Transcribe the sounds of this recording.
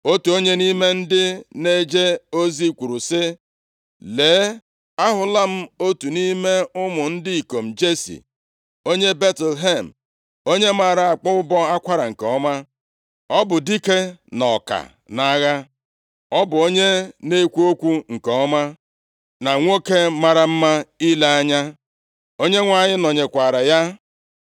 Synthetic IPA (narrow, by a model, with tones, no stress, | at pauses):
o˦tu˨o˦ɲe˦ni˦me˦n̩˦dɪ˦ne˦d͡ʒe˦o˦zi˦˨kʷu˨ɾu˨sɪ˦ | leː˨˦ | a˦ɦʊ˨la˦m̩˦o˦tu˨ni˦me˦ʊ˦mʊ˨n̩˦dɪ˦i˨ko˨m̩˨d͡ʒe˦sḭ˨ | o˦ɲe˦be˦tlɦe˦˨m̩˨ | o˦ɲe˦m̩˦a˨ɾa˦˨a˨k͡pʊ˦ʊ˦bɔ˦a˦kʷa˦ɾa˨ŋ̩˨kɔ˦ma˦ | ɔ˦bʊ˨di˦ke˦nɔ˨ka̰˨ | na˨˦ɣa˦ | ɔ˦bʊ˨o˦ɲe˦ne˦kʷu˦o˦kʷu˦ŋ̩˨kɔ˦ma˦ | na˨ŋʷo˦ke˦ma˨ɾa˨m̩˦ma˦i˦le˦a˦ɲa˦ | o˦ɲe˦ŋʷa˨ɲɪ˦nɔ˨ɲe˨kʷa˨ɾa˨ja˦